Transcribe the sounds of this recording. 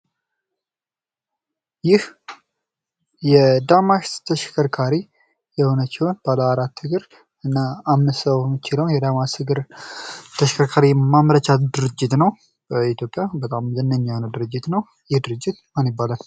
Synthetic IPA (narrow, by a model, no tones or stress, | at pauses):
jɪh | jɛd̪amaʃt̪ʰəʃkʰəɾkʰaɾi | jɛho̞nət͡ʃːɪhonb̥aləwaɾat̪ːɨɡɨɾ | ɨnːaːmnɨssəwmɪt͡ʃɪləwnjɛd̪amaʃɨɡɨɾ | t̪ʰəʃkʰəɾkʰaɾiɛmamɾət͡ʃat̪d̪ɨɾɨd͡ʒːɪt̪nəw | b̥əit̪ʰjo̞pʼːjabət̪ʼamzənːəɲːahonəwd̪ɨɾɨd͡ʒːɪt̪nəw | jɪhd̪ɨɾɨd͡ʒːɪt̪manjɪbːalən